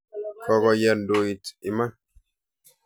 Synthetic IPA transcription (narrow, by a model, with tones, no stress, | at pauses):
kɔ˨ɡɔ˨jɛ˨ndoi˨ti˨ma˦n